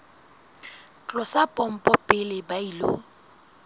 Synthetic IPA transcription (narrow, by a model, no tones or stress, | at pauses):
t͡ɬʼɔsapʼɔm̩pʼɔpʼɪlɪbailo̰